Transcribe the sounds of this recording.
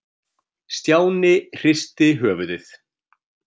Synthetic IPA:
st̪jaːwnɪr̥ɪst̪ɪɦœːvʏðɪθ

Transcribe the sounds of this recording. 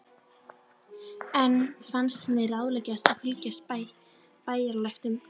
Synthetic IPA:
ɛnːfanst̪nɛɾaːwðlɛcast̪afɾiːcas | paːjaɾlajxt̪ʏm

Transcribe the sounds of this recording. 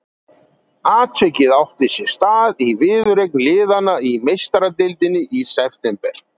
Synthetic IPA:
aːt̪ʰvɛcːɪðawht̪ɪsjɛst̪aːðivɪːðʏɾejknlɪːðanaimejst̪aɾat̪ɪlt̪ɪnːɪʔisɛft̪ɛmpɛɾ̥

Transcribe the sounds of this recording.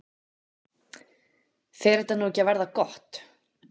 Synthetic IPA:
θɛɾɛht̪anuːɛcːavɛɾðakɔht̪

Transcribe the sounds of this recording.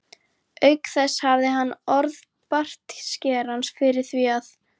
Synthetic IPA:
œɥkθɛshavðɪɦanːɔɾð | par̥t̪scɛːɾansfɪɾɪɾ̥θviað

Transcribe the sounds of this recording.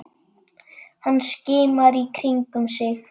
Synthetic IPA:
hanːscɪːmaɾikʰɾiŋkʏmsɪx

